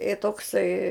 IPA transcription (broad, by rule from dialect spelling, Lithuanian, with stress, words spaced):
ɪ toːkˈsɐɪ